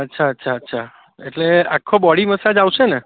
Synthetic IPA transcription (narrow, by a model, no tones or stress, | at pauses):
ətːʃʰaətːʃʰaətːʃʰa | eʈleakʰːobɔɽiməsad͡ʒawʃene